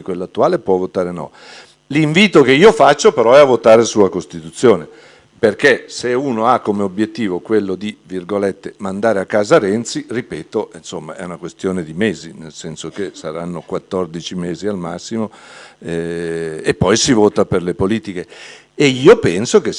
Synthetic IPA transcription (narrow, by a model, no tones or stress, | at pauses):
kwelːat̪ːuaːlepwɔvot̪aːɾenɔ̰ | liɱviːt̪okeiːofat͡ʃːopeɾɔɛavːot̪aːɾesuakost̪it̪ut̪sːjoːne | perkeseuːnoakːomeobjet̪ːiːvokwelːod̪ivirɡolɛt̪ːemand̪aːɾeakːaːzaɾɛnt̪siripɛːt̪oinsomːaɛ̰unakwest̪joːned̪imeːzinelsɛnsok̟esaɾanːokwat̪ːɔrd̪it͡ʃimeːzialma̰sːimoɛepːɔjsivoːt̪aperlepoliːt̪ikeː | iːopɛnsoke